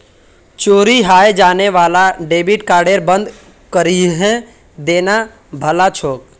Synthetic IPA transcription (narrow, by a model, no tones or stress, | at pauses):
t͡ʃoːɾiɦaːjed͡ʒaːneʋaːlaɖeːbɪʈkaːɾɖeːɾbə̃nd̪ | kəɾiɦɛ̃ | d̪eːna | bʱəlat͡ʃʰoːk